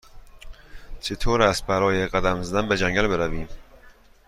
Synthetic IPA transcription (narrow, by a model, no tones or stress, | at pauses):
t͡ʃʰet̪ʰoːɾæst̪̚bæɾɒːjeɣæd̪æmzæd̪ænbed͡ʒæŋɟælbeɾæviːm